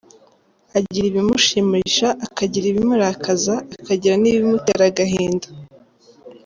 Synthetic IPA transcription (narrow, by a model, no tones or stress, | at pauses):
aɟiɾiβimuʃimiʃaʔakaɟiɾiβimuɾakʰazaːkaɟiɾaniβimutḛɾaɡaɦeːndḁ